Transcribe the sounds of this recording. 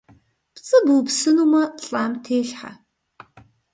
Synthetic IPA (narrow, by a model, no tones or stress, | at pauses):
pt͡sʼɨbuːpsɨnumɐɬʼaːmtʰeːɬħa̰